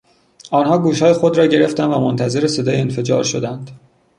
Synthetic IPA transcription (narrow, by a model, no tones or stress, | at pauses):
ʔɒːnɦɒːɡuːʃhɒːjexod̪ɾɒːɟe̞ɾe̞ft̪ændvæmont̪ʰæze̞ɾese̞d̪ɒːjeenfe̞d͡ʒɒ̰ːɾʃo̞d̪ænd̪̥